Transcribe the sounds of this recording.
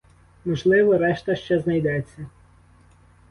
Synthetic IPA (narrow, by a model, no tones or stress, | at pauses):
mɔʒlˠɪʋɔɾɛʃt̪ɐʃt͡ʃɛznɐjd̪ɛt͡sʲːɐ